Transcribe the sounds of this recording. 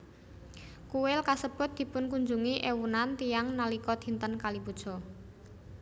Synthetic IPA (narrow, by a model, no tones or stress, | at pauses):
kuwɪlkasəb̥ʊt̪̚d̪̥i̤pʊnkuɲd͡ʒuŋiʔewunant̪ijaŋnalikɔd̪̥i̤nt̪ənkalibud̥ʒ̥ɔ̤